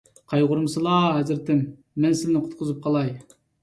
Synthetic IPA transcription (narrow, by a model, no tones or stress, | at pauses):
qʰɑjʁʊɾmsɨlˠɑːɦæzɪɾt̪ɪmː | ɛnsɪlnɪqʰʊ̥t̪̚qʰʊzɨp̚qʰɑlˠɑj